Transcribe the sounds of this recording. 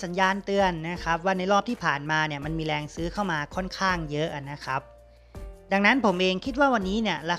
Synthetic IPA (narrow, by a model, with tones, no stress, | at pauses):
sa˩˦njaː˧nt̪ɯ˧ənːa˦˥kʰa˦˥p̚waː˥˩na˧˩jɾɔː˥˩p̚t̪ʰiː˥˩pʰaː˨˩nmaː˧ni˥˩ɐma˧nmiː˧ɾɛː˧ŋsɯː˦˥kʰa˥˩wmaː˧kʰɔ˥˩nkʰaː˥˩ŋjɤ˦˥ʔa˨˩nːa˦˥kʰa˦˥p̚ | da˧ŋna˦˥npʰo˩˦mʔeː˧ŋkʰi˦˥t̪̚waː˥˩wa˧nːiː˦˥ni˥˩ɐɾa˧